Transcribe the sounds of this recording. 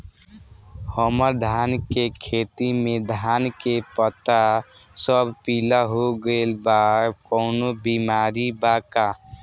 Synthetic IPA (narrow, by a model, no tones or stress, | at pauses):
həməɾd̪ʱaːnkekʰeːt̪imẽd̪ʱaːnkepət̪a | səbpiːlaɦoɡəlbakəːnobimaːɾibaka